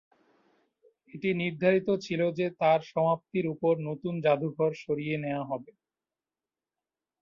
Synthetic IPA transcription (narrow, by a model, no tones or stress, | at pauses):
eʈiniɾd̪ʱaɾit̪ot͡ɕʰilod͡ʑet̪aɾʃɔmap̚t̪iɾupoɾnot̪und͡ʑad̪ʱuɡʱɔɾʃoɾijeneoaɦɔbe